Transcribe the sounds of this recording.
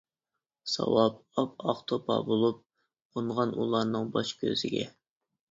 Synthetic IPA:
sɑ̰wɑp̚ɑpɑχt̪ʰopʰɑ̰bolˠup̚ | onʁɑnʔulˠɑɾnɨŋbɑʃkʲʰø̰z̥ɪɡʲɛ̰

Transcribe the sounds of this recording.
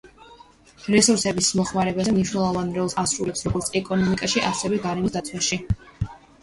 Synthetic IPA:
ɾɛsuɾsɛbismɔχmaɾɛbazɛmniʃwnɛlˠɔvanɾɛlˠsasɾulɛpsɾɔɡɔɾt̪sʰɛkʼɔnɔmikʼaʃiʔasɛvɛɡaɾɛmisd̪at̪sʰwaʃi

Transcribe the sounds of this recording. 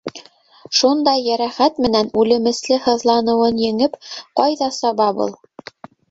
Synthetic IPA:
ʃund̪ɑjːæɾæχæt̪mɘ̆nænʉlɘ̆mɘ̆slɘhɤ̆ðlˠɑnɤ̆wɤnjɘ̆ŋɘpqɑjðɑsɑβɑbɤ̰lˠ

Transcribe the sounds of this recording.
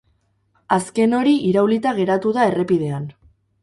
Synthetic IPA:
aske̞no̞ɾiʔiɾawlit̪aɣ̞e̞ɾat̪uðae̞re̞pið̞e̞an

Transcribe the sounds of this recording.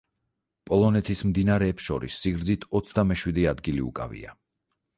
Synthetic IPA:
pʼɔlˠɔnɛt̪ʰismd̪inaɾɛːpsʃɔɾḭsːiɡɾd̪zit̪ʰɔt̪sʰd̪amɛʃwid̪iad̪ɡiliṵkʼa̰vḭa̰

